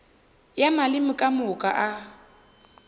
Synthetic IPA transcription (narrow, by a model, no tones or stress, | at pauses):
jamalɪmʊkʼamʊkʼaʔa